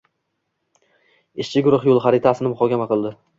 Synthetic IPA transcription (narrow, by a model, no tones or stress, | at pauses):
ɪʃt͡ʃʰɪɡʊɾʊχjolˠχaɾɪt̪ʰasɪnɪmʊχɒkʲamaqɨlˠd̪ɪ